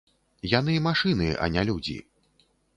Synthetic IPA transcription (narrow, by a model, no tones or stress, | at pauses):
jan̪ɨmaʂɨnɨʔɐ̰nʲalʲud͡zʲḭ